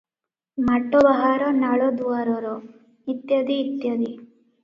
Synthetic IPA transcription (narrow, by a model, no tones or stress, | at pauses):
mɐʈːobɐɦaːɾonaɭod̪uʋaɾoɾo | it̪jɐd̪iːt̪ːjod̪i